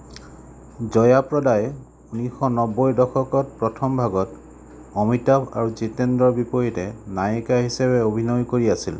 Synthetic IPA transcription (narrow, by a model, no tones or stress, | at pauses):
zɔjapɹɔdaj | unixɔnɔbojdɔxʰɔkɔt̚pɹɔtʰɔmbʱaɡɔt | ɔmitapʰa̰ɹuzitendɔɹbipɔjitɛnajkaɦisabɛobʱinɔjkoɹiasil